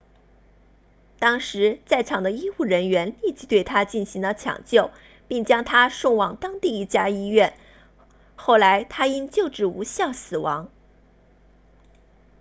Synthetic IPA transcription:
t̪ɑ˥ŋʂɻ̩˧˥t͡sa˥˩ɪʈ͡ʂʰɑ˨˩ŋd̪ə˦i˥xu˥˩ɻə˧˥nɥɛ˧˥nli˥˩t͡ɕi˧˥t̪we˥˩ɪt̪ʰa˥t͡ɕi˥˩nɕi˧˥ŋd̪ə˧t͡ɕʰjɑ̰˨˩ŋt͡ɕjo˥˩ʊ | pi˥˩ŋt͡ɕjɑ˥ŋt̪ʰa˥ʂʊ˥˧ŋwɑ˨˩ŋt̪ɑ˥ŋt̪i˥˧i˥˩t͡ɕja˥i˥ɥɛ˥˩n | xo˥˩ʊla˧˥ɪt̪ʰa˥i˥nt͡ɕjo˥˧ʊʈ͡ʂɻ̩˥˩ṵ˧˥ɕjɑ˥˩ʊsɹ̩˨˩wɑ˧˥ŋ

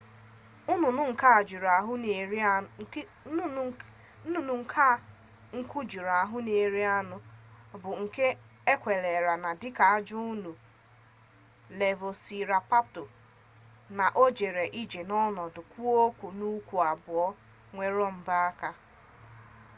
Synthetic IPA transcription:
ʊ˦nʊ˨nʊ˦ŋ̩˨ka˦˨d͡ʒi˨ɾa˨ɦʊ˦˨˦ | n˨ŋ̩˦kʰa˦ | ŋ̩˦kʊ˦d͡ʒi˨ɾa˨ɦʊ˦ne˨ɾi˦a˦nʊ˦bʊ˨ŋ̩˨ke˦ | e˦kʷe˨le˨ɾa˨na˨dɪ˦ka˨a˦d͡ʒʊ˦nu˨ | le˨vo˨si˨ɾa˨pa˦p̚tʊ˨ | na˨ʔo˦d͡ʒe˨ɾe˨ʔi˦d͡ʒe˨nɔ˦nɔ˨dʊ˨kʷu˦o˦kʷu˨nu˦kʷu˨a˨bʊ˨ɔ˦ | ŋʷe˦ɾɔ˦m̩˦ba˦a˦ka˦

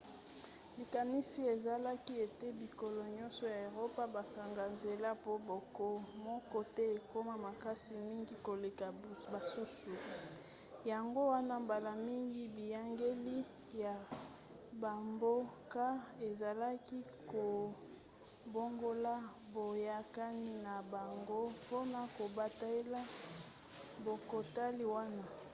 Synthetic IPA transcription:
bi˨ka˨ni˦si˦e˨za˨la˦ki˦e˨te˦bi˨ko˨lo˨ɲɔ˦nsɔ˨ja˨e˨ʁo˦pa˦ba˨ka˨ŋɡa˨nze˨la˦po˦bo˨ko˦mɔ˦kɔ˦te˦e˨ko˦ma˦ma˨ka˦si˨mi˦ŋɡi˦ko˨le˨ka˨ba˨su˦su˨ | ja˨ŋɡo˦wa˦na˦mba˨la˨mi˦ŋɡi˦bi˨ja˦ŋɡe˦li˦ | ja˨ | ba˨mbo˦ka˦e˨za˨la˦ki˦ko˨ | bo˦ŋɡo˦la˦ | bo˨ja˦ka˦ni˦na˨ba˨ŋɡo˦po˦na˨ko˨ba˨ta˦e˦la˦ | bo˨ko˨ta˦li˦wa˦na˦

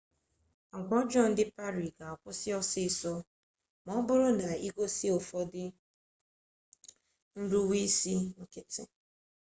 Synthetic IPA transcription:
ŋ̩˨kʷɔ˦d͡ʒɔ˦˨n̩˦dɪ˦pa˦ɾi˨ɡa˨ɔ˨kʷʊ˦sɪ˦ɔ˦sɪ˦˨sɔ˦ | mɔ˦bʊ˦ɾʊ˦na˨i˦ɡo˦sɪ˦o˨fɔ˦dɪ˦ | n̩˦du˦wi˦si˦ŋ̩˦kɪ˦tɪ̰˨

